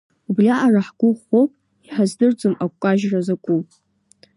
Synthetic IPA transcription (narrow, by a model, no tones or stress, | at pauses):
ubrʲaʔaraħɡ̥ʷʊχopʼ | iħazdɨrd͡zʼomakʷʼaʒrazakʷʼu